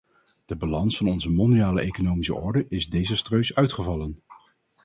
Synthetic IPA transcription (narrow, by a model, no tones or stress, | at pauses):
d̥əbalɑnsfɑnɔnzəmɔndijaːləʔejkonowmisə̰ʔɔɹdəʔɪzdejzəstrøɥsœɥtχəvɑlən